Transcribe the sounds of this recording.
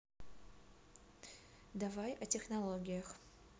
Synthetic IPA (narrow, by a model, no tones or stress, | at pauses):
davajatʲexnɐlˠoɡʲijax